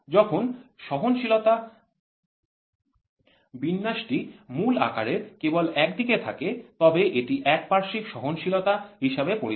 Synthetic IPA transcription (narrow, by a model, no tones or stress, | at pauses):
d͡ʑɔkʰonʃɔɦonʃilot̪a | binːaʃʈimula̰kaɾeɾkebolɛk̚d̪iket̪ʰaket̪ɔbeʔeʈiʔɛk̚paɾʃikʃɔɦonʃilot̪aɦiʃebepoɾi